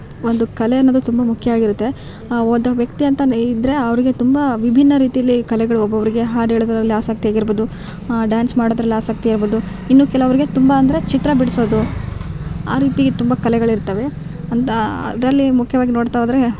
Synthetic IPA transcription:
ond̪ukɐleɐnːoːd̪ut̪umbɐmukʰːjɐʋaːɡiɾut̪ːe̞ | od̪ɐʋjɐkt̪iɐnt̪ɐid̪ɾe̞ɐʋɐɾiɡe̞t̪umbɐʋibʱinːɐɾiːt̪ijɐlːikɐlɛɡɐɭuɔbːɐʋɐɾiɡe̞ɦaːɖeːɭod̪ɾɐlːiaːsɐk̚t̪ijaːɡiɾboːd̪u | ɖjaːnsmaːɽoːd̪ɾɐlːiaːsɐk̚t̪ijaiɾboːd̪u | inːuːkɛlɐʋɐɾiɡe̞t̪umbɐːnd̪ɐɾe̞t͡ʃit̪ɾɐbiɽsoːd̪u | a̰ːɾiːt̪iɡet̪umbɐkɐlɛɡɐɭiɾt̪ɐʋe̞ɐnt̪ɐɐ̰d̪ɐɾɐlːimukʰjɐʋaːɡinoːɽt̪aoːd̪ɐɾe̞

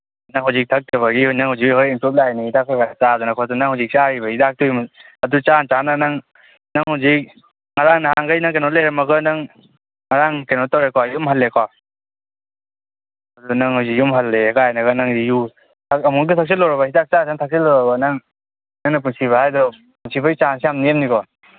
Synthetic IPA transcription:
naŋɦawzik̚tʰak̚taβaɡinaŋhawzik̚hɔɾimpup̚lajniidak̚aɡanat͡ʃadunakʰɔtanaŋhawzik̚t͡ʃaɾibɐhidak̚tujm | ɐdut͡ʃant͡ʃananaŋ | naŋhawzik̚ | ŋaɾaŋnaɦaŋɡajnaŋkenɔt̚leɾamɐɡɐnaŋ | ŋaɾaŋkenɔtːawɾekʰɔjumɦalːekʰɔ | ɐdunaŋhuzikjumɦalːekaajnɐɡɯnaŋdiju | tʰaɐmunk̬itʰak̚silɔɾabahidak̚t͡ʃasaŋtʰak̚silːɔɾabanaŋ | naŋnɐpunsiβahajdɔ | punsʰibajit͡ʃansijamniemnikɔ

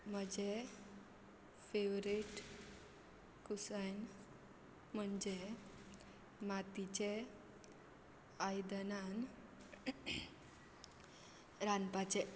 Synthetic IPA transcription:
m̤əd͡ʑe | feʋɾiʈ | kusajn | m̤əɳd͡ʑe | mat̪it͡ɕe | ajd̪ənan | ɾanpat͡ɕe

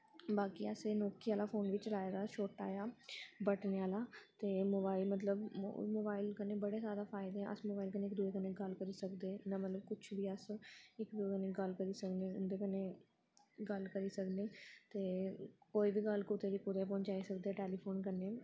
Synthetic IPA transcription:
baːkiəseːnoːkiːaːlaːpʰoːnʋɪt͡ʃlaːeːɡaːʃoːʈaːjaːbəʈneːaːlaːt̪eːmoːbaːɪlmət̪ləbmoːbaːɪlkəneːbəɽeːzaːd̪aːpʰaːɪd̪eːɦɛ̃ːʔə̰smoːbaːilkəneːɪkd̪ueːkəneːɡəlkəɾiːsəkd̪eːnamət̪ləb̚kʊt͡ʃʰʋiːəsɪkd̪ueːkəneːɡəlkəɾiːsəkneːʊnd̪eːkəneː | ɡəlkəɾiːsəkd̪eːt̪eːkoːiːbiːɡəlkʊt̪eːd̪iːkʊt̪eːp̬ɔ̃ːɲt͡ʃaːiːsəkd̪eɛːʈeːliːpʰoːnkəneː

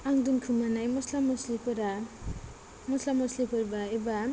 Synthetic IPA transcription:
aŋd̪unkʰumanajmɔslamoslipoɾa | mɔslamɔslipʰoɾbaeba

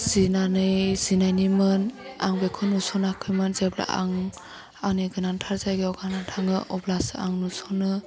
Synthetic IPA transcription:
z̥inanɯjzinajnimɯnaŋbekʰɔnusɔnɯakʰɯjmɯnzebla̰ʔa̰ŋ | aniɡɯnantʰaɾzajɡeɔɡanantʰaŋɯʔɔblasɯaŋnusɔnɯ

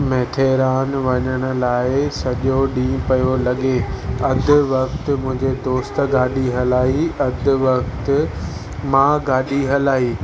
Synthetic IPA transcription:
mɛːt̪ʰeːɾaːnʋɐɲəɽ̃ʊ̆laːɪsɐʄoɗĩːpɐjolɐɠeɐd̪ʱɪ̆ʋɐkt̪mʊ̃ɦɪ̃ɲd͡ʑed̪oːst̪ɡaːɗiɦɐlaːiɐd̪ʱɪ̆ʋɐkt̪ | mãːɡaːɗiɦɐlaːiː

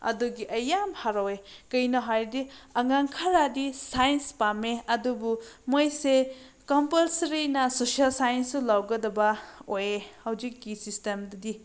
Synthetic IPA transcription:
ɐ̰duɡiʔɐjamhaɾowekɐjnɐɦajdiɐŋaŋkʰɐɾadisajnspameɐdubumojse | kɔmpɐlsɐɾinɐsosialsajensulawɡɐdɐbɐojehɐwzikːisistemdɐdi

